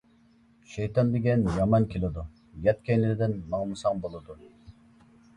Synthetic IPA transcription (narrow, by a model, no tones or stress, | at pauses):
ʃɛjt̪ʰɑnd̪eɡʲɛnjɑmɑnkʲʰelˠɪd̪u | jɛt̪̚kʲʰɛjnɪɾɪd̪ɪnmɑŋˠmɨsɑŋbolˠɨd̪u